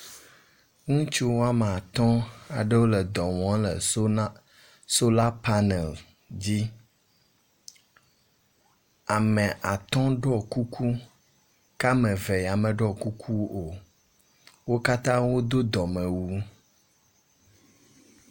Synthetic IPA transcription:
ŋũ˦t͡ʃi˦wwo˦a˦me˨a˨t̪ɔ̃˦a̰˨ɖə˦wo˦lə˨d̪ɔ˨wɔ̃˦lə̰˨ | so˦la˦pa˦nɛ˨l | d͡ʑi˦ | a˨mɛ˨ʔa˨t̪ɔ̃˦ɖɔ˦ku˦kʰu˦ | ka˦mɛ˨ve˨a˨mɛ̃˨ɖɔ˦˨ku˦kʰu˦o˨ | wo˦ka˦t̪ã˦wo˦d̪o˦d̪ɔ˨mɛ̃˨wu˦

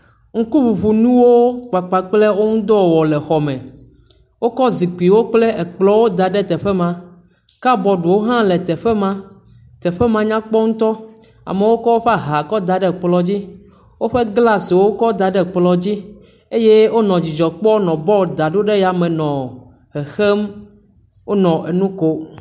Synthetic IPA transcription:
ŋ̩˦ku˦ɸu˨ɸu˨nũ˦wo˦k͡pa˨k͡pa˨k͡ple˦wo˦ŋũ˦d̪ɔ˦˨wɔ˨lɛ˨xɔ˨mɛ̃˨ | wo˦kɔ˦zi˨k͡pi˨wo˦k͡ple˦ʔɛ˨k͡plɔ˦wo˦d̪a˨ɖɛ˦t̪ɛ˨ɸɛ˦mã˨ | ka˦bɔ˨ɖo˨wo˦ɦã˦lɛ˨t̪ɛ˨ɸɛ˦mã˦ | t̪ɛ˨ɸɛ˦mã˨ɲã˦k͡pɔ˦ŋũ˦t̪ɔ˦ | a̰˨me˨wo˦kɔ˦wo˦ɸɛ˦a˦ɦa˨kɔ˦d̪a˨ɖɛ˦k͡plɔ˨d͡ʑi˦ | wo˦ɸe˦ɡla˦si˨wo˦kɔ˦d̪a˨ɖɛ˦k͡plɔ˨d͡ʑi˦ | e˦je˦wo˦nɔ̃˨d͡ʑi˨d͡ʒɔ˨k͡pɔ˦nɔ̃˨bɔ˦˨d̪a˨ɖo˦ɖe˦ja˨mẽ˨nɔ̃˨ | ɦɛ˨xe˦m | wo˦nɔ̃˨ʔe˨nũ˦ko˦

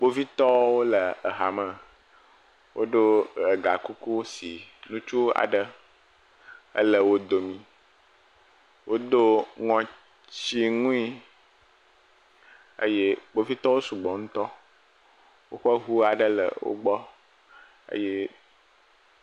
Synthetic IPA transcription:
ɡ͡bo˦vi˦t̪ɔ˦wo˦lə˨ə˨ɦa˨mə̃˨ | wʔo˦ɖo˦ɾə˨ɡa˨ku˦ku˦si˨nũ˦t͡ʃu˦a̰˨ɖə˦ | ə̰˦lə˨wo˦d̪o˨mĩ˦ | wo˦d̪o˦ŋɔ̃˨ | t͡ɕi˦ŋũ˦i˦ | ə̰˦je˦k͡po˦vi˦t̪ɔ˦wo˦su˨ɡ͡bɔ˨ŋũ˦t̪ɔ˦ | wo̰˦ɸə˦ɦu˦a˨ɖə˦lə̰˨wo̰˦ɡ͡bɔ˦ | ə̰˦je˦

